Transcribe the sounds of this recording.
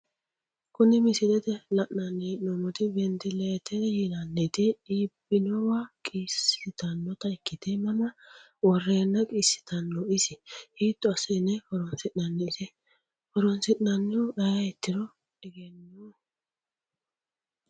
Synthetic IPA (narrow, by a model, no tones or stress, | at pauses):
kʊnɪmɪsɪd̪ɛt̪ɛlɐʔnɐnːinɔmɔt̪ɪbɛnt̪ɪleːt̪ʰːɛjinɐnːɛt̪ɪiːbɪnɔwakʼiːsɪt̪ɐnːɔt̪ɐɪkːɪt̪ɛmɐmɐ | wɔrːeːnːɐkʼiːsːɪ̥t̪ɐnːɔɪsɪhiːt̪ːɔɐsɐjnːɛkɔɾɔnsɪʔnɐnːɛɪsɛ | kɔɾɔnsɪʔnɐnːɪwɔʔɐjajɛt̪ːɪɾɔ | ɛɡɛnːu